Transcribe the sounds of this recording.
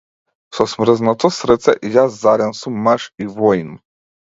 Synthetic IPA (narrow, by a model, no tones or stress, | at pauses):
sɔsmɾɛznat̪ɔsɾɛt̪sɛ̰ʔjazzaɾʲansumːaʃivɔjnu